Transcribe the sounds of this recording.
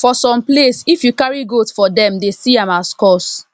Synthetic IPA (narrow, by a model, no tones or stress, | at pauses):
fɔsɔ̃mplesifjukaɹiɡotfɔdɛ̃mdesiãmaskɔs